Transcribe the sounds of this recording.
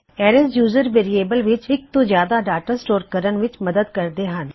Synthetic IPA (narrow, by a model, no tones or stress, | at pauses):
ɛːɾɛsjuːzəɾʋeːɾieːbəlʋɪt͡ʃɪk̚t̪õːzjaːd̪aːɖaːʈəsʈoːɾkəɾənʋɪt͡ʃməd̪əd̪kəɾd̪eːɦən